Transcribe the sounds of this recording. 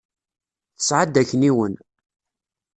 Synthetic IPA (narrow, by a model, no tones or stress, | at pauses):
θə̥sʕad̪æçːəniwən